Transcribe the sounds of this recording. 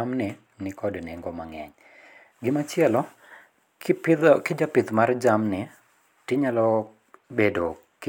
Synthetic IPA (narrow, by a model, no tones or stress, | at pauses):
amnɪ | nɪkɔdnɛŋɡɔmaŋɛ̰ɲ | ɡɪmat͡ʃɪɛlɔ | kɪd͡ʒapɪt̪mard͡ʒamnɪ | tɪɲalɔ | bedo | k